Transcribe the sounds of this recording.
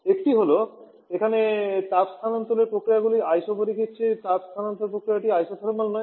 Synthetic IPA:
ekʈiɦolo | ekʰanet̪apst̪ʰanant̪oleɾpɾokɾijaɡuliajʃoboɾikʰitːɕʰet̪apst̪ʰanant̪eɾpɾokɾijaʈiajsofʰaɾoɾmalnɔe

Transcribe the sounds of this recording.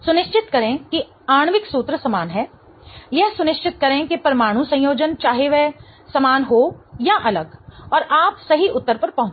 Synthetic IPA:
sʊnɪʃt͡ʃɪt̪kɐɾẽki | aːɽ̃ʋɪksuːt̪ɾəsɐmaːnɦɛː | jɛɦsʊnɪʃt͡ʃɪt̪̚kɐɾẽkipɐɾɐmaːɽ̃ũsɐ̃joːd͡ʒənt͡ʃaːɦeʋɛ | sɐmaːnɦojaʔɐləɡɔːɾaːpsɐɦiʔʊt̪ːəɾpɐɾpɐɦʊ̃

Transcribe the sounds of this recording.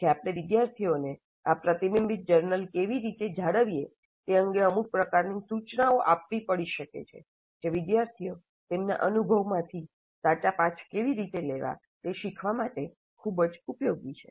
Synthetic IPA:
d͡ʒeapɽeʋɪd̪jaɾt̪ʰione | apɾət̪imimbit̪̚d͡ʒəɾnəlkeʋiɾit̪ed͡ʒʱaɽəʋije | t̪eəŋɡeəmuɾ̚pɾəkaɾnisut͡ʃnaoʔapʋipəɽiʃəkḛt͡ʃʰḛ | d͡ʒeʋɪd̪jaɾt̪ʰio | t̪emna̰ʔənubʱəʋmãt̪ʰi | sat͡ʃapat͡ʃʰkeʋiɾit̪eleʋa̰ | t̪eʃikʰʋamaʈe | kʰubd͡ʒupjoɡʋit͡ʃʰe

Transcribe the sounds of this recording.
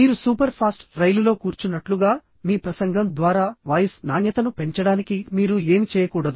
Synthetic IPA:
miːɾusuːpɐɾpʰaːsʈɾɐjlulo̞ːkuːɾt͡ʃunːɐʈluɡaː | miːpɾɐsɐŋɡɐmd̪ʋaːɾaːʋɐjɐsnaːɳjɐt̪ɐnupe̞ɲt͡ʃɐɽaːnikimiːɾue̞ːmit͡ʃɛːjɐkuːɽɐd̪u

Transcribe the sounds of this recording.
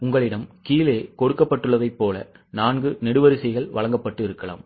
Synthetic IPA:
ʊŋɡɐɭɪɽɐmkiːleːkɔɽɯkːɐpːɐʈːɯɭːɐðɐɪpːoːlɐ̰ | naːnɡɯnɛɽɯʋɐɾɪsɐɣɐɭʋɐlɭɐŋɡɐpːɐʈːɯɪɾɯkːɐɭa̰ːm

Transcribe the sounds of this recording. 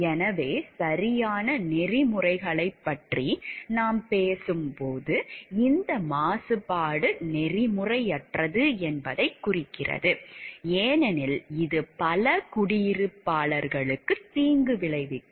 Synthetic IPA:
ɛnɐʋeːsɐɾɪjaːnɐnɛrɪmɯrɐɪɣɐɭɐɪpːɐʈrinaːmpeːsɯmpoːðɯɪnd̪ɐmaːsɯpaːɽɯnɛrɪmɯrɐɪɛʈrɐðɯɛnbɐðɐɪkːʊrɪkːɪrɐ̰ðɯeːnɛnɪlɪðɯpɐlɐkʊɽɪjɪɾɯpːaːɭɐɾɣɐɭɯkːɯt̪iːŋɡɯʋɪɭɐɪʋɪʈː

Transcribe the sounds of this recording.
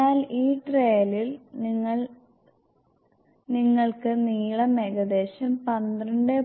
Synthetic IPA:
aːliːʈreːlilniŋːɐɭ | niŋːɐɭkɨniːɭɐmeɣɐd̪e̞ːɕɐmpɐnd̪rɐɳɖɨ

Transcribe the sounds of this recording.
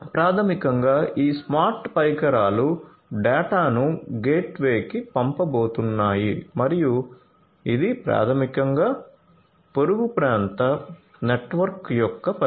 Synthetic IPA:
pɾaːt̪ʰɐmikɐŋɡaːʔiːsmaːɾʈpɐjkɐɾaːlu | ɖaːʈaːnuɡe̞ːʈʋe̞ːkipɐmpɐboːt̪unːaːjimɐɾiju | id̪ipɾa̰ːt̪ʰɐmikɐŋɡaː | poɾuɡupɾaːnt̪ɐ | neʈʋɐɾkjɔkːɐpɐ

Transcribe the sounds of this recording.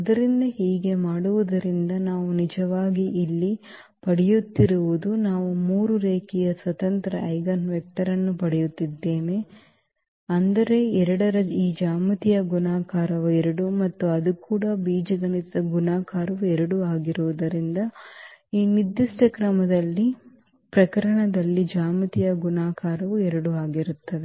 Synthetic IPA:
ɐd̪ɐɾind̪ɐɦiːɡe̞maːɽuʋud̪ɐɾind̪ɐnaːʋunid͡ʒɐʋaːɡiʔilːi | pɐɽɛjut̪ːiɾuʋud̪unaːʋumuːɾuɾeːkijɐsʋɐt̪ɐnt̪ɾɐʔɐjɡɐnʋɛk̚ʈɐɾɐnːupɐɽɛjut̪ːid̪ːe̞ːne | ɐnd̪ɐɾe̞ɛɾɐɽɐɾɐiːd͡ʒaːmɐt̪ijɐɡunaːkaːɾɐʋuɛɾɐɽumɐt̪ːuɐd̪ukuːɽɐbiːd͡ʒɐɡɐnit̪ɐɡunaːkaːɾɐʋuɛɾɐɽuaːɡiɾuʋud̪ɐɾind̪ɐiːnid̪ːiʂʈɐkɾɐmɐd̪ɐlːi | pɾɐkɐɾɐɳɐd̪ɐlːid͡ʒaːmɐt̪ijɐɡunaːkaːɾɐʋuɛɾɐɽuaːɡiɾut̪ːɐʋe

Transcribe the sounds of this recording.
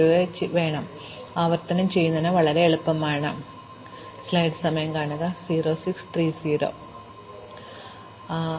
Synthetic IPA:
uðet͡ɕiʋe̞ːɳɐm | aːʋɐrt̪ɐnɐmt͡ɕe̞jːunːɐðnɐʋɐɭɐɾe̞ːɭupːɐmaːɳɐm | slɐjɖsɐmɐjɐmkaːɳɐðɐsiːɾo̞ːsikst̪riːsiːɾo̞̰ː

